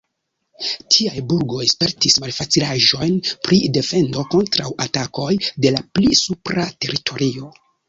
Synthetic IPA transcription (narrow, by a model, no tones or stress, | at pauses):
tʰiajbuɾɡo̞jespe̞ɾtismalfat͡silaʒo̞jnpɾide̞fe̞ndo̞ko̞ntɾawatako̞jde̞laplisupɾate̞ɾitʰo̞ɾio̞